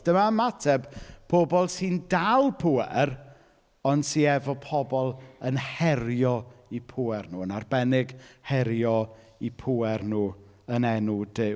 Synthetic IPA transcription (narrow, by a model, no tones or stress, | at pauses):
d̥əmamatʰɛbpʰobɔlˠsɨndalˠpʰuɛr | ɔnd̥siɛvɔpʰɔbɔlˠənhɛrjɔipʰuːɛrnuːənarbɛnɪɡhɛɾjɔ | ipʰuɛrnuː | ənɛnʊdɪ